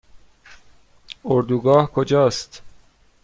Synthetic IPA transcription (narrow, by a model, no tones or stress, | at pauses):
oɾd̪uːɡɒːhkʰod͡ʒɒːst̪